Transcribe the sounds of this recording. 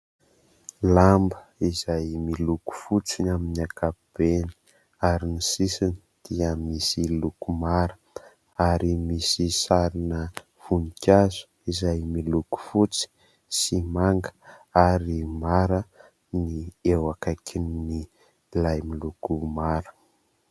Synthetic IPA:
lambəizajmiluku̥fut͡sinaminakʰapb̥eni̥ | aɾinisisinid̪̥iəmisilukumaɾə̥ | aɾimisisaɾinə | v̥unikʲazu̥ | izajmiluku̥fut͡si̥ | simaŋɡə̥aɾimaɾə | niewakakʰinni | lajmilukumaɾə̥

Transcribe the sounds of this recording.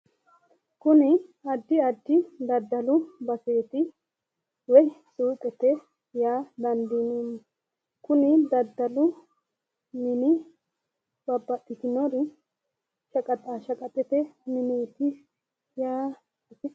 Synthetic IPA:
kʊnɪɐd̪ːɪɐd̪ːɪd̪ɐd̪ːɐlʊbɐse̞ːt̪ɪ | wɔjsuːt̪ʼɛt̪ɛ | jaːd̪ɐnd̪inun | kʊnɪd̪ɐd̪ːɐlʊ | mɪnɪ | b̥ɐbːɐt̪ːɪt̪ɪnɔɾɪ | ʃɐkʼɐt̪ʼaːʃɐkʼɐt̪ʼːɛt̪ɛmɪneːt̪ɪ | jaː

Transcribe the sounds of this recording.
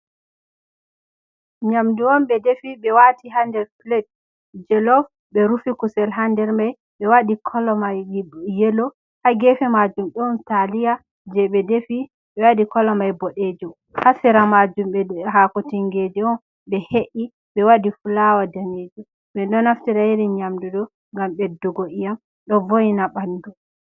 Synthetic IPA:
ɲamduɔnɓɛdefiɓɛwatiɦandɛɾflɛt̚ | d͡ʒɛlɔf | ɓɛɾufikusɛlɦandɛɾmaj | ɓɛwaɗikʰɔlɔmajjelɔ | haɡɛfɛmad͡ʒumɗɔntalija | d͡ʒɛɓɛdefi | ɓɛwaɗikɔlɔmajbɔɗed͡ʒɔ | hasɛɾamad͡ʒumɓɛɦakɔtiŋɡed͡ʒɛɔn | ɓɛheʔi | ɓɛwaɗifulawadaned͡ʒu | ɓɛɗɔnaftiɾajiɾɛɲamdudɔ | ŋɡamɓɛdɔɡoʔijam | ɗɔvojnaɓandɔ

